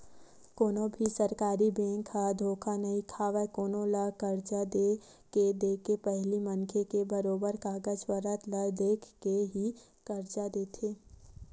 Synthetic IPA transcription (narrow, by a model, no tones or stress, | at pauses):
koːnobʱisəɾkaːɾibẽːŋkʰad̪ʱoːkʰanɐɦĩkʰaːʋekoːnõləkəɾd͡ʒad̪e | ked̪eːkepɛɦlimənkʰekebəɾoːbəɾkaːɡəd͡ʒpəɾət̪ləd̪eːkʰkeɦi | kəɾd͡ʒad̪eːt̪ʰeː